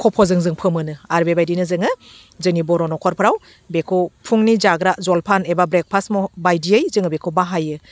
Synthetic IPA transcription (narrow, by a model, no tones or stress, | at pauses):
kʰɔpʰɔzɯŋzɯŋpʰɯmɯnɯaɾbebajdinɯzɯŋɯ | zɯnibɔɾɔnɔkʰɔɾpʰɯɾaw | bekʰopʰuŋnizaɡɾazɔlpʰanebabɾek̚pʰasmɔbajdiɯjzɯŋɯbekʰobaɦajɯ